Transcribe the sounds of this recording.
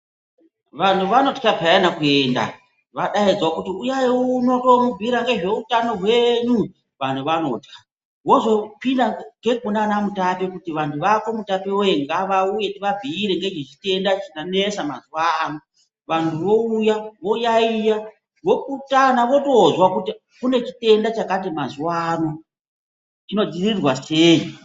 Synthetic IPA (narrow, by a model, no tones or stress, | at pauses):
ʋan̤uʋano̞ti̥kapaenakuenda̰ | ʋaɗaid͡zwakutiujajeuno̞to̞mubʱiɾaŋɡe̞ʐe̞utano̞ɦweɲu | ʋan̤uʋano̞̰ːti̥kḁ | wo̞zo̞pindaŋɡe̞kunanamutapikutiʋantʰuʋako̞mutapiojeŋɡaʋauje̞tiʋab͡vʱiːɾeŋɡe̞t͡ʃet͡ʃite̞ndat͡ʃinanesamazuwano̞ | ʋantʰuʋo̞ujaʋo̞jaija | ʋo̞kutanaʋo̞to̞zwakuti | kune̞t͡ʃite̞ndat͡ʃakat̬imazuwano̞ | ino̞d͡zirirwaseːji